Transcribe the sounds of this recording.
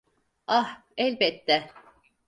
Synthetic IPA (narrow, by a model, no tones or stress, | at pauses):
ah | ɛlʲbɛt̪ːɛ